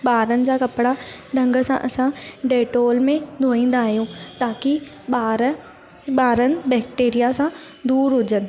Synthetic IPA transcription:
ɓaːɾənɪ̆d͡ʑaːkɐpɽaɖʱɐ̃ŋɡə̆sã̰ʔɐsãɖeːʈoːlmẽd̪ʱoːĩːn̆d̪aɦijõt̪aːkɪ | aːɾ | ɓaːɾənɪ̆bɛːk̚ʈeːɾijasã | d̪uːɾɦʊd͡ʑənɪ̆

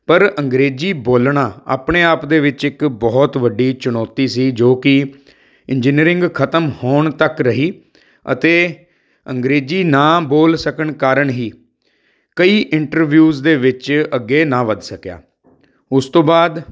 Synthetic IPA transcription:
pəɾəŋɡɾeːd͡ʒiːboːlɳãːa̰ːpɳeːaːpd̪eːʋɪt͡ʃɪkbɔːt̪ʋəɖiːt͡ʃʊnɔːt̪iːsiːd͡ʒoːkɪ | ɪnd͡ʒɪniːɾɪŋɡkʰət̪əmhoːɳt̪əkɾəɦiː | ə̰t̪eː | əŋɡɾeːd͡ʒiːnãːboːlsəkəɳkaːɾəɳɦiː | kəiːʔɪɳʈəɾʋjuːzd̪eːʋɪt͡ʃəɡːeːnãːʋəd̪səkja̰ː | ʊst̪õːbaːd̪

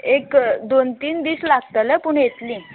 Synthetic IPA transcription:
ekd̪ont̪iːnd̪iːslaɡt̪ələpuɳjet̪lĩː

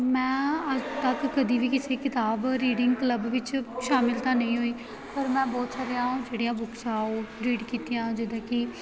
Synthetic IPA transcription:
mɛ̃ːəd͡ʒt̪əkːəd̪iːʋiːkɪseːkɪt̪aːbɾiːɖɪŋɡkləbʋɪt͡ʃʃaːmɪlt̪ãːnəĩːɦoːiː | pəɾmɛ̃ːbɔːt̪saːɾijãːd͡ʒeːɽiːãːbʊksaːoːɾiːɖkiːt̪ijãːd͡ʒɪd̪ãːkɪ

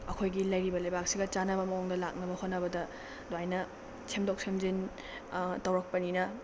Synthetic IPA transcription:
ɐkʰojɡilɐjɾibɐlɐjbak̚siɡɐt͡ʃanɐbɐmɐoŋdɐlak̚nɐbɐhotnːɐbɐdɐ | doajnɐ | sʰemdok̚sʰemzin | tɐwɾɐk̚pɐninɐ

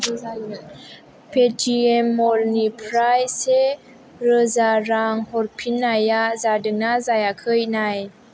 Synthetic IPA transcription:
petʰiɛmːɔlnipʰɾajse | ɾəzaɾaŋhɔɾpʰinːajazadəŋnazajakʰəjnaj

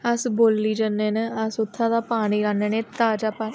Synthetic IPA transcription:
əsboːlːiːd͡ʒənẽːnəsʊt̪ʰːãːd̪aːpaːɽ̃iːɾãːneːnẽːt̪aːd͡ʒaːpaː

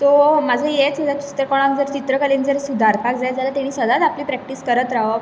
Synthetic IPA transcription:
t̪omad͡zʱəjet͡səd͡zat͡ɕi̥t̪ɾəkɔɽ̃ãŋd͡zəɾt͡ɕit̪ɾəkəlind͡zəɾsud̪ʱaɾpʰak̚d͡zajt̪d͡zalat̪aɽ̃iːsʋəd̪ad͡zapliːpɾɛk̚ʈiːskəɾət̪ɾaɦə

